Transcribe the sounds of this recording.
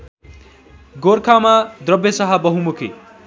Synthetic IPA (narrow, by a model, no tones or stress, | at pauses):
ɡoɾkʰamad̪ɾʌbjesʌɦabʌɦumukʰḭ